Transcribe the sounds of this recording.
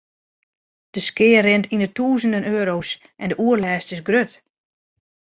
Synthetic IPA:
d̥əskɪːərɪntʰinətuːzəndənøːɾos | ʔɛndəʔuərlɛːstɪsɡrøt

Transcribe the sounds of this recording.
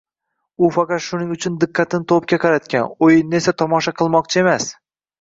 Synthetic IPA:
ʊfɑqɑt̪ʃʊnɪŋʊt͡ʃʰʊnd̪ɪqʰːɑt̪ʰɪnɪt̪ʰop̚kʲaqʰɑɾat̪kʲanojɪnːe̞sat̪ʰɒmɒʃaqʰɨlˠmɒq̚t͡ʃʰɪe̞mas

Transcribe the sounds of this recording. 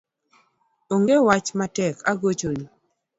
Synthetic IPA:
oŋɡewat͡ʃmatɛkʰaɡot͡ʃoni

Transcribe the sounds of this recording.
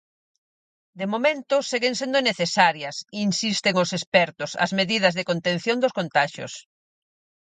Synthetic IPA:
d̪emomẽnt̪ʊseɣeŋsend̪ʊneθesaɾjɐsinsist̪eŋʊsespɛɾt̪ʊsɐ̰zmeðiðɐzðekont̪ẽn̟θjoŋd̪ʊskont̪aʃʊ̰s

